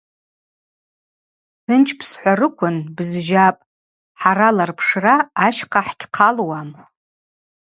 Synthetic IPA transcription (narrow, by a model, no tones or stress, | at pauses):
tʰɨnt͡ʃʰpʰsħʷarɨkʷʰʊnbzʒapʼ | ħaɾalarpʰʂraːʃqʰaħɡʲqʰalwam